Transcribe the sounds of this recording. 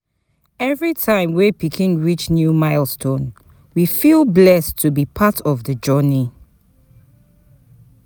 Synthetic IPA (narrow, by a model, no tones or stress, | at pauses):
ɛvɹitʰãɪ̃mwepikʰĩŋɹit͡ʃnjumaɪlˠstʰõn | wifilblɛstʰːubipʰatʰɔvðəd͡ʒɔni